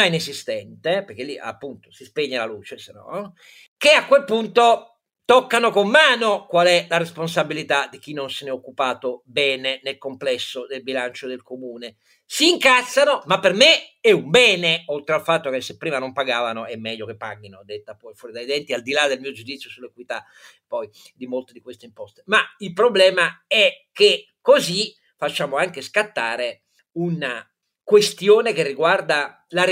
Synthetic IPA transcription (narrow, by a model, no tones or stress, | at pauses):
ainezist̪ɛnt̪epeɾk̟elːiʔa̰pːunt̪o̥sispeɲːalaluːt͡ʃesenɔ̰ | k̟eakːwelpunt̪o | t̪okːanokomːaːnokwalɛlaɾesponsabilit̪ad̪ik̟inːonsenɛokːupaːt̪obɛːnenelkomplɛsːod̪elbilant͡ʃod̪elkomuːne | siːŋkat̪sːanomapːermeɛumbɛːneolt̪ɾealfat̪ːokesːepːɾiːmanompaɡaːvanoɛmːɛʎːokepːaɡinod̪et̪ːapɔjfwɔːɾid̪ajd̪ɛnt̪iald̪ilad̪elmiːod͡ʒud̪it̪sjosulːekwit̪a | pɔj | d̪imolt̪ed̪ikwest̪eimpɔst̪e̥mailpɾoblɛːmaɛke | kːozi | fat͡ʃːaːmoaŋkeskat̪ːaːɾe | una | kwest̪joːnek̟erːiɡward̪a | la